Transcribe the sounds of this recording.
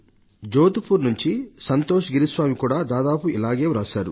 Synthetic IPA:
d͡ʒoːt̪upʰuɾnuɲt͡ʃisɐnt̪oːʃɡiɾisʋaːmikuːɽaːd̪aːd̪aːpuilaːɡe̞ːɾaːsaːɾṵ

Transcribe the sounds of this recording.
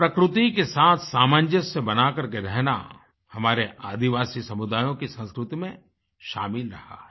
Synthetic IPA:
pɾɐkɾʊt̪ikesaːt̪ʰsaːmãːnd͡ʒəsebɐnaːkɐɾkeɾɛɦna̰ | hɐmaːɾeʔaːd̪iʋaːsisɐmʊd̪aːjõkisɐ̃nskɾʊt̪imẽ | ʃaːmɪlɾɐha̰ːɦɛ

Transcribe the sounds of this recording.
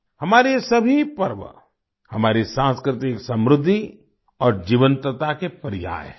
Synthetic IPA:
hɐmaːɾesɐbʱipɐɾʋə̰ | hɐmaːɾisãːnskɾɪt̪ɪksɐ̃mɾʊd̪ʱːi | ɔːɾd͡ʒiːʋənt̪ət̪akepɐɾɪja̰ːj

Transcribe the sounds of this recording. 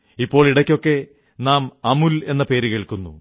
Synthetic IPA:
ipːo̞ːɭiɽɐkʲːo̞kːe̞ | naːmɐmule̞nːɐpe̞ːɾukeːɭkunːṵ

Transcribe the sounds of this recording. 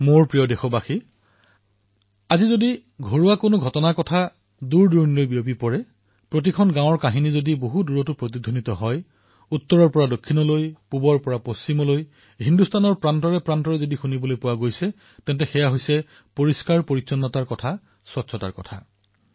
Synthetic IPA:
moɹpɹijɔdexɔbaxi | azizodi | ɡʱoɹuwakonoɡʱɔtɔnaɹkɔtʰa | duɹduɹnilojbijopipɔɹɛ | pɹot̬ikʰɔnɡãwɔɹkaɦinizodiboɦuduɹɔtupɹotidʱonitɔɦɔj | utːɔɹɔɹpɔɹadokʰːinɔlojpubɔɹpɔɹapost͡ʃimɔloj | ɦindustʰanɔɹpɹantɔɹɛpɹantɔɹɛzodixunibɔlojpʊwaɡojsɛ | tɛntɛxɛjaɦojsɛ | poɹiskaɹpoɹisɔnːɔtaɹkɔtʰa | swɔtːʃʰɔta̰ɹkɔ̰tʰa̰

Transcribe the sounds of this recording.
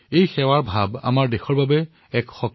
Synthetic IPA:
ejxɛwaɹbʱaba̰maɹdexɔɹbabɛ | ɛkxɔk

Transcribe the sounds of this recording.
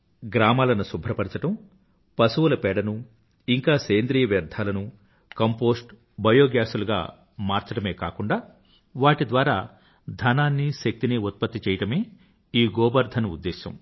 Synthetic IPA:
ɡɾaːmaːlɐnusubʱɾɐpɐɽɐt͡ʃɐʈɐm | pɐsuʋɐlɐpɛːɽɐnu | iŋkaːseːnd̪ɾiːjɐʋjɐɾd̪ʱaːlɐnu | kɐmpo̞ːsʈ | bʱɐjoːɡjaːsuluɡa̰ː | maːɾt͡ʃɐɽɐme̞ːka̰ːkuɳɖaː | ʋaːʈid̪ʋaːɾaː | d̪ʱɐnaːnːiʃɐk̚t̪iniut̪̚pɐt̪ːit͡ʃɛːjɐʈɐme̞ː | iːɡɔːbɐɾd̪ʱɐnuud̪ːeːʃɐ̰m

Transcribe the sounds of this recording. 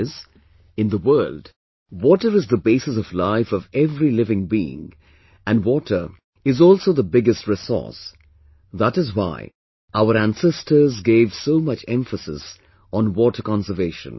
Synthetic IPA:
z | ɨ̃nðəwɜ˞ld | wɔtə˞ɨzðəbeɪsɨsʌvlaɪfʌvɛvɹilɪvɪ̃ŋbiɪ̰̃ŋ | ɨ̃nwɔtʰə˞ | ɨzɔlˠsoʊðəbɪɡɨst̚ɹɪsɔ̰ɹs | ðətɨzwa̰ɪ | ʔaʊəɾæ̃nsɛstʰə˞zɡeɪv̥soʊmʌt͡ʃɛ̰̃ɱfəsɨ̰s | n̩wɔtə˞kɑ̃nsə˞veɪʃə̰̃n

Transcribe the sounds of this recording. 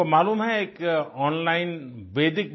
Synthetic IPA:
omaːluːmɦɛeːkɔːnlaːɪnʋeːd̪ɪk̚b

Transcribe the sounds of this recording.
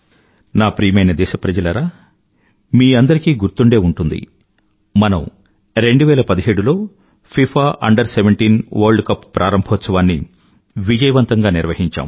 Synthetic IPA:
naːpɾiːmɐjnɐd̪ɛːʃɐpɾɐd͡ʒɐlɐɾaː | miːɐnd̪ɐɾikiːɡuɾt̪uɳɖe̞ːuɳʈund̪ḭ | mɐnɐm | ɾe̞ɳɖuʋɛːlɐpɐd̪iɦeːɽulo̞ː | pʰipʰaːʔɐ̰ɳɖɐɾseʋeɳʈiːnʋɐɾɖkɐpːpːɾʔa̰ːɾɐmbʱɐt̪sɐʋaːnːḭ | ʋid͡ʒɐjɐʋɐnt̪ɐŋɡaːniɾʋɐɦiɲt͡ʃa̰ːm

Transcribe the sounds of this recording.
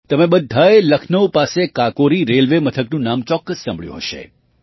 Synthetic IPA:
t̪əmebəd̪ʱːaeləkʰnəwpasekakoɾiɾelʋemət̪ʰəknũnamt͡ʃɔkːəsːã̰mbɭjṵ̃ɦəʃḛ

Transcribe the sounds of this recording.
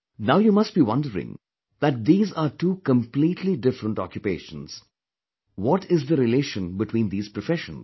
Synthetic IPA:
naʊjuːmʌsʈ̚biːwʌ̃nɖəɾɪ̰̃ŋ | d̪æʈ̚d̪iːzaːɾʈuːkə̃mpliːʈʰliɖɪfɾə̃ɳʈɔ̰kjupeːʃə̃nz̥ | wɔʈɪzd̪əɾɪleːʃə̃nbɪʈwĩːnd̪iːz̥pɾɔfɛʃə̰̃n

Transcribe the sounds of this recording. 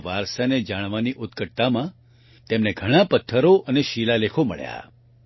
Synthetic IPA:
ʋaɾʃaned͡ʒaɽ̃ʋaniʔʊt̪kəʈ̚t̪amã | t̪emneɡʱəɽ̃apət̪ʰːəɾoʔəneʃilalekʰomə̰ɭja̰

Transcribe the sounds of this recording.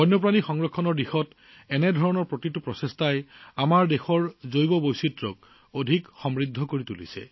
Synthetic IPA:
bʱɔjnɔpɹanixɔŋɹɔkʰːɔnɔɹdixɔt | ɛnɛdʱɔɹɔnɔɹpɹotitupɹɔsestajamaɹdexɔɹzojbɔbojsitɹɔk̚ | odʱikxɔmɹid̪ʱːɔkoɹitulḭsɛ̰

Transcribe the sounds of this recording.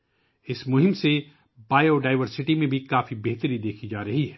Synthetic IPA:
ɪsmʊɦɪ̃mse | baːjoɖaːɪʋəɾsɪʈimẽbʱikaːfibeɦt̪əɾid̪eːkʰid͡ʒaːɾɐɦiɦɛː

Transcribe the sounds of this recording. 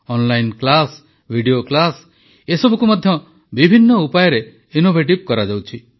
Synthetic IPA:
ɔnlajnklas | bʱiɖioklas | esɔbukumɔd̪ʱjɔ | bibʱinːɔupajɔɾe | inobʱeʈib̚kɔɾad͡ʒawt͡ʃʰi

